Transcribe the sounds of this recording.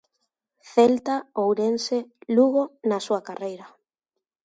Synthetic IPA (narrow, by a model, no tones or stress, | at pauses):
θelt̪aowɾenseluɣonasuakarejɾa